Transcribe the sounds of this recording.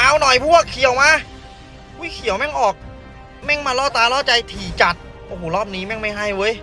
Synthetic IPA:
aː˨˥˩wnɔ˨˩jpʰuː˧˥˩ɐ˨˩kʰi˨˩əwmaː˧˥˩ | ku˦˧˥kʰi˨˩˦əwmɛ˥˩ŋʔɔː˨˩k̚ | mɛ˥˩ŋmaː˧lɔː˦˥˩t̪aː˧lɔː˥˩t͡ɕa˧jt̪ʰiː˨˩t͡ɕa˨˩t̪̚ | ʔoː˧˩ɦoː˨˩lɔː˥˩p̚niː˦˥mɛ˥˩ŋma˥˩jɦa˥˩jwɤː˦˥j

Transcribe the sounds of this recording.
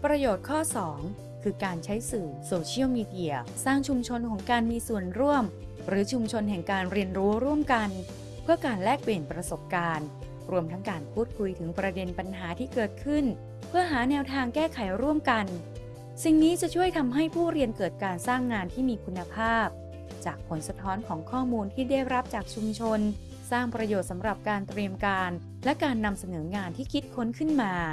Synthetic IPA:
pɾa˧joː˨˩t̪̚kʰɔː˥˩sɔː˩˦ŋ | kʰɯː˧kaː˧nt͡ɕʰa˦˥jsɯː˨˩soː˧t͡ɕʰi˥ə˩wmiː˧di˧˩ɐsaː˥˩ŋt͡ɕʰu˧mt͡ɕʰo˧nkʰɔ˩˦ŋkaː˧nmiː˧su˨˩ənɾu˥˩əm | ɾɯː˩˦t͡ɕʰu˧mt͡ɕʰo˧nɦɛ˨˩ŋkaː˧nɾi˧ənɾuː˦˥ɾu˥˩əmka˧n | pʰɯ˥˩ɐkaː˧nlɛː˥˩k̚pliː˨˩npɾa˧so˨˩p̚kaː˧n | ɾu˧əmt̪ʰa˦˥ŋkaː˧npʰuː˥˩t̪̚kʰu˧jt̪ʰɯ˩˦ŋpɾa˧de˧npa˧nɦaː˩˦t̪ʰiː˥˩kɤː˨˩t̪̚kʰɯ˥˩n | pʰɯ˥˩ɐɦaː˩˦nɛː˧wt̪ʰaː˧ŋkɛː˥˩kʰa˨˩˦jɾu˥˩əmka˧n | si˨˩ŋniː˦˥t͡ɕa˨˩t͡ɕʰu˥˩əjt̪ʰa˧mɦa˥˩jpʰuː˥˩ɾi˧ənkɤː˨˩t̪̚kaː˧nsaː˥˩ŋːaː˧nt̪ʰiː˥˩miː˧kʰu˧nːa˧pʰaː˥˩p̚ | t͡ɕaː˨˩k̚pʰo˩˦nsa˧t̪ʰɔː˦˥nkʰɔː˩˦ŋkʰɔː˥˩muː˧nt̪ʰiː˥˩da˥˩jɾa˦˥p̚t͡ɕaː˨˩k̚t͡ɕʰu˧mt͡ɕʰo˧n | saː˥˩ŋpɾa˧joː˨˩t̪̚sa˩˦mɾa˨˩p̚kaː˧nt̪ɾi˧əmkaː˧n | lɛ˦˥kaː˧nːa˧msa˧nɤː˩˦ŋaː˧nt̪ʰiː˥˩kʰi˦˥t̪̚kʰo˦˥nkʰɯ˥˩nmaː˧

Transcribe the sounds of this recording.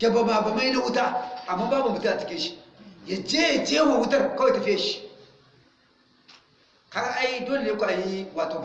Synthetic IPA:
ɡʲa˨ba˨ma˨ba˨ma˦ji˦na˦wu˦ta˦a˨mːa˦ba˦mu˨u˨ti˦a˨t͡ʃi˨kʲi˦ʃi˦ja˨d͡ʒe˦ja˨d͡ʒe˦a˦wa˨wu˦tɐ˦ɾkwa˦jta˨fi˦a˨ʃi˦ | ka˦ɡa˦ʔa˦i˦do˦le˨˦a˦kʷu˨a˨ji˦wa˨to˨˦

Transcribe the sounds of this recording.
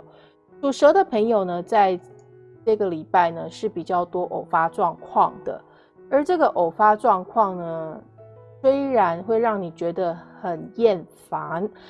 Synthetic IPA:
ʈ͡ʂu˨˩ʂɤ˧˥d̪ə˨pʰə˧˥ŋjo˨ʊnə˩t͡sa˥˧ɪ | ʈ͡ʂɤ˥˩ɡə˩li˨˩pa˥˩ɪnə˩ʂɻ̩˥˩pi˨˩t͡ɕjɑ˥˩ʊt̪wɔ˥ʔo˨˩ʊfa˥ʈ͡ʂwɑ˥˧ŋkʰwɑ̰˥˩ŋd̪̥ə̰˩ | ə˞˨˧˥ʈ͡ʂɤ˥˩ɡə˩ʔo˨˩ʊfa˥ʈ͡ʂwɑ˥˧ŋkʰwɑ˥˩ŋnə˩ | swe˥ɪɻa˧˥nxwe˥˧ɪɻɑ˥˩ŋni˨˩t͡ɕɥɛ˧˥d̪ə˧xə˨˩njɛ˥˩nfa˧˥˦n

